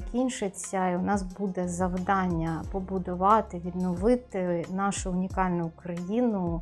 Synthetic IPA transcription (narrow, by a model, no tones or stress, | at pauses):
kʲinʲʃɪt͡sʲːɐiʊnɑsbud̪ɛzɐwd̪ɑnʲːɐpɔbʊd̪ʊʋɑt̪ɪʋʲid̪nɔʋɪt̪ɪnɑʃʊːnʲikɑlʲnʊkɾɐjinʊ